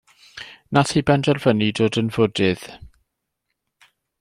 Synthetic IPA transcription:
naθibɛndɛrvənidoːdənvʊdɪð̥

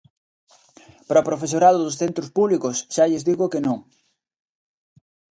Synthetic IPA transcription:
pɾopɾofes̬oɾaðoðʊsθent̪ɾospuβlikʊsʃaʎɪzðiɣʊkenõŋ

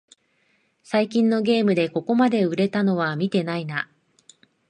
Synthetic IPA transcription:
saikʲĩnːo̞ɡʲe̞ːmɯ̟d̪e̞ko̞ko̞mad̪e̞ɯ̟ɾe̞t̪ano̞β̞amʲit̪e̞naina

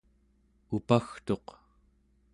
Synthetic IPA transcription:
upaxt̪o̞q

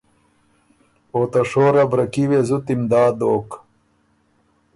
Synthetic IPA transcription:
oːt̪ɐʂoːɾɐbɾɐkiwezut̪imd̪aːd̪oːk

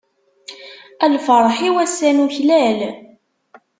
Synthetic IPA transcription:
ælfɑɾˤħiwæsːænuçlæl

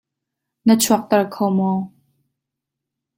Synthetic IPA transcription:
nət͡sʰuɐk̚t̪ɐrkʰowmɔː

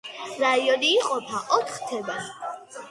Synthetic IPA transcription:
ɾaiɔniːqʼɔpʰaʔɔt̪ʰχt̪ʰɛba

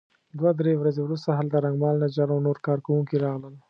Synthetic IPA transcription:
d̪wad̪ɾewɾazewɾust̪aɦald̪əɾaŋɡmɑlnad͡ʒaɾawnoɾkɑɾkawuŋkiɾɑɣləl

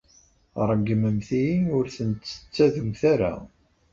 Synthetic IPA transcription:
ɾˤəɡːməmθijiʊɾθənt̪ːə̥t͡sːæðumθaɾa̰

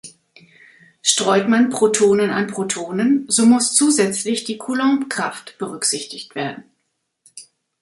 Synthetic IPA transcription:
ʃtʁ̥ɔʏtmanpʁ̥otʰoːnəna̰npʁ̥otʰoːnənzoːmʊst͡suːzɛt͡slɪçd̥iːkʰulɔ̃pkʁ̥aftb̥əʁʏkz̥ɪçtɪçtv̥eːɐdn̩

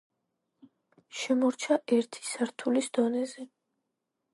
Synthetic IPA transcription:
ʃɛmɔɾt͡ʃʰaʔɛɾt̪ʰi̥saɾt̪ʰulisd̪ɔnɛzɛ

